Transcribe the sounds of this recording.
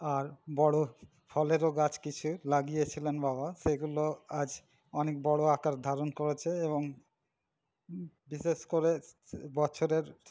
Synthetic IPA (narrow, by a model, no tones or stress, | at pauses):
aɾbɔɽo | fʰɔleɾoɡat͡ɕkit͡ɕʰulaɡijet͡ɕʰilenbabaʃeɡuload͡ʑ | ɔnek̚bɔɽoakaɾd̪ʱaɾonkoɾet͡ɕʰeeβoŋ | biʃeʃkoɾebɔt͡ɕʰoɾeɾ